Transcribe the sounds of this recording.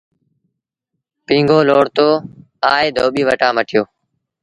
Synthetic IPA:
pĩːŋɡʱoːloːɽt̪oː | aːeːd̪ʱoːɓiːʋəʈãːməʈʰɪjoː

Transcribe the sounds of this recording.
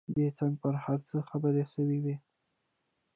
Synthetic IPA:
d̪et͡saŋɡ̚pəɾhaɾt͡səxabəɾeʃəwiwi

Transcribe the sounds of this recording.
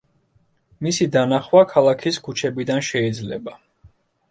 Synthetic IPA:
misid̪anaχwakʰalˠakʰiskʰut͡ʃʰɛbid̪anʃɛid̪zlɛ̰ba

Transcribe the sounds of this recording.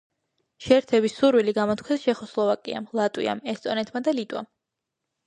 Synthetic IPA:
ʃɛɾt̪ʰɛbisuɾwiliɡamɔt̪̚ʰkʰɛsʃɛχɔslˠɔvakʼḭa̰mlˠat̪ʼwḭa̰mɛst̪ʼɔnɛt̪ʰmad̪alit̪ʼwa̰m

